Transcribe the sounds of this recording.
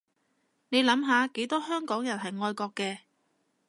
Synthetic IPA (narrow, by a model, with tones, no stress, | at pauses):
ne˨˧jlɐ˨˥mɦaː˨˧ke˨˥jt̪ɔː˥ɦœː˥ŋkɔː˨˥ŋjɐ˨˩nɦɐ˨jŋɔː˧jkɔː˧kːɛː˧